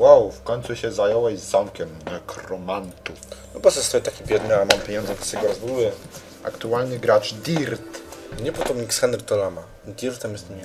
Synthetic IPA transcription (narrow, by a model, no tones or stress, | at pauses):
wawfkɔɲʲt̪suɕɛzajɔwɛʑzːamkʲɛmakɾɔmant̪unɔpɔsɛst̪ɔjit̪akʲibʲjɛd̪nɘamampʲjeɲɔnd̪zɛt̪ɛsɛɡɔɾɔzvuwɘ | a̰kt̪ualɲɘɡɾat͡ʂd̪ʲiɾt̪ɲɛpɔt̪ɔmɲiksxɛnd̪ɾt̪ɔlama | d̪ʲiɾt̪ɛmjɛst̪mʲi